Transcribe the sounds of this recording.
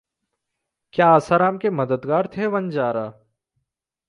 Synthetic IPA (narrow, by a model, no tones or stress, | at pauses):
kjaːəsaɾaːmkemɐd̪əd̪ɡaːɾt̪ʰeʋɐnd͡ʒaːɾaː